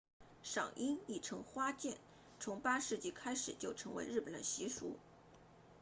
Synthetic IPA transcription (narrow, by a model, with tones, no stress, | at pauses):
ʂɑ̰˨˩ŋʔi˥ni˥˩ʈ͡ʂʰɤ˧˥ŋxwa˥t͡ɕjɛ˥˩n | t͡sʰʊ˧˥ŋpa˥ʂɻ̩˥˧t͡ɕi˥˩kʰa˥ɪʂɻ̩˨˩t͡ɕjo˥˩ʊʈ͡ʂʰɤ˧˥ŋwe˧˥ɪɻ̩˥˩pə˨˩nd̪ə̰˦ɕi˧˥ʂṵ˧˥